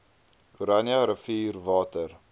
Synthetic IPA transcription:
kuɾɐnjɐɾəfiːrvɑːtər

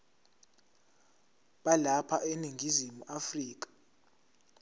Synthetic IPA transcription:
ɓalapʰaʔeniŋɡʱizimuʔafriːk̬ʼḁ

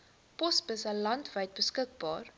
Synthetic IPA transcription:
pɔspəsəlɐntvəjt̚bəskək̚bɑːr

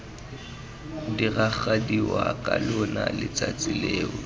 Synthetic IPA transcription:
diɣaχadiwakʼalʊnalɪt͡sʼat͡sʼɪleːɔ

